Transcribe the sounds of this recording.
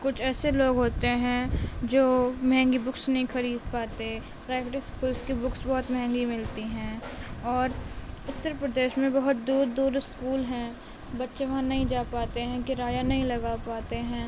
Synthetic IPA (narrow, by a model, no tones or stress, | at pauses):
kʊt͡ʃʰɛːseloːɡɦoːt̪eɦɛ̃d͡ʒoːmɐɦɛ̃ŋɡibʊksnɐɦĩxɐɾiːd̪paːt̪e | pɾɛːkʈɪskuːlskibʊksbɔɦʊt̪mɛɦɛ̃ŋɡimɪlt̪iɦɛ̃ːɔːɾʊt̪ːəɾpɾəd̪eːʃmẽbɐɦʊt̪d̪uːɾd̪uːɾɪskuːlɦɛ̃ː | bɐtːʃeʋɐɦãnɐɦĩd͡ʒaːpaːt̪eɦɛ̃kɪɾaːjanɐɦĩlɐɡapaːt̪eɦɛ̃ː